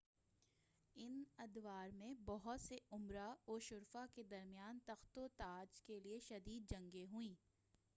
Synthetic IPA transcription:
ɪnɐd̪waːɾmẽbɔɦʊt̪seʊmɾaoːʃʊɾfaked̪ɐɾmijaːnt̪ɐxt̪ot̪aːd͡ʒkelieʃɐd̪iːd̪̚d͡ʒɐ̃ŋɡeɦʊĩː

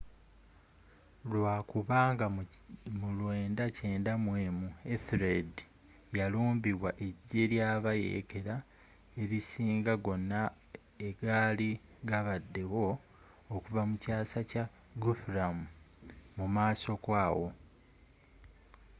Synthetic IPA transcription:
lwaːkuβaːŋɡamulwe̞ːndace̞ːndamwe̞ːmueθɾed | jaluːmbiβwaʔeɟːe̞ɾjaːβajḛke̞ɾa | e̞ɾisiːŋɡaɡo̞nːa | eɡaːliɡaβadːe̞wo̞ː | kuvamucaːsaca | ɡufɾamu | mumaːso̞kwaːwo̞

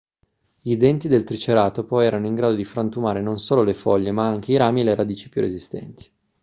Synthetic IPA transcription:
ʎid̪ɛnt̪id̪elt̪ɾit͡ʃeɾaːt̪opɔjɛːɾanoiŋɡɾaːd̪od̪ifɾant̪umaːɾenonsoːlolefɔʎːemaaŋk̟eiɾaːmieleɾad̪iːt͡ʃi̥pjṵrezist̪ɛ̰nt̪i̥

